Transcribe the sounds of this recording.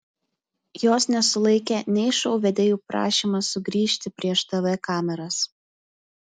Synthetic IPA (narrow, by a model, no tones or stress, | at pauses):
joːsnʲɛsʊlˠɐɪkʲɛnʲɛɪʃoʊʋʲɛd̪ʲeːjuːpɾɑ̰ːʃʲiːmɐsʊɡɾʲiːʃʲt̪ʲɪpʲɾʲiɛʃt̪ɐʋɛkɑːmʲɛɾɐs